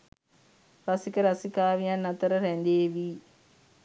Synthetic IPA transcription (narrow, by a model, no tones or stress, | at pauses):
rasikəɾasikaːʋijanːɐt̪əɾəɾænd̪eːʋi